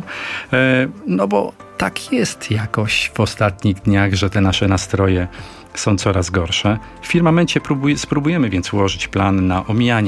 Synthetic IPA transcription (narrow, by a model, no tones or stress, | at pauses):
nɔbɔ̰ | t̪akʰjɛst̪jakɔɕvɔst̪at̪ɲiɣd̪ɲaɣʐɛt̪ɛnaʂɛnast̪ɾɔjɛ | sɔ̃w̃t̪sɔɾazɡɔɾʂɛ | fːʲiɾmamɛnt͡ɕɛpɾubuspɾubujɛmɘvʲjɛnt̪swɔʐɘt͡ɕplanːaʔɔmʲijaɲ